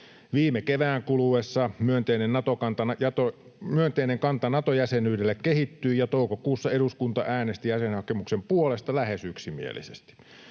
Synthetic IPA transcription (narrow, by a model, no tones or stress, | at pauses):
ʋiːmekeʋæːŋkuluesːɑmyønt̪einennɑt̪okɑnt̪ɑjɑt̪o | myønt̪eineŋkɑnt̪ɑnɑt̪ojæsenyːdelːekkehit̪ːyːjɑt̪oˑukokuːsːɑeɾuskunt̪ɑ̰ʔæːnest̪ijæsenhɑkemuksempuolest̪ɑlæhesyksimḭḛlḭsḛst̪i̥